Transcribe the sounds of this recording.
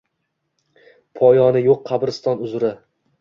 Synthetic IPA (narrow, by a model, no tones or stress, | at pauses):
pʰɒjɒnɪjoqːʰɑbɾɪst̪ɒnʊzɾɪ